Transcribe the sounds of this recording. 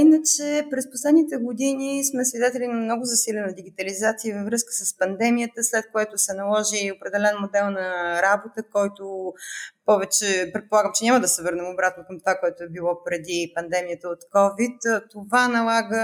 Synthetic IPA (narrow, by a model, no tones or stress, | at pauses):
inət͡ʃɛpɾɛsposlɛd̪nit̪ɛɡod̪inismɛsvʲid̪ɛt̪ɛlinɐmnɔɡʊzɐsilʲɛnəd̪iɡ̟it̪əlizat̪sijəvəvɾɤskə̥səspɐnd̪ɛmijət̪əslɛt̪̚koɛt̪ʊsɛnɐlˠɔʒiopɾɛd̪ɛlɛnmod̪ɛlˠnɐɾabot̪əkɔjt̪o | pɔvɛt͡ʃɛpɾɛt̪polˠaɡəmt͡ʃɛnʲaməd̪ɐsɛvɤɾnɛmobɾat̪nokɐmt̪vakoɛt̪ʊɛbilˠɔpɾɛd̪ipɐnd̪ɛmijət̪əot̪kɔvit̪t̪ovanɐlˠaɡə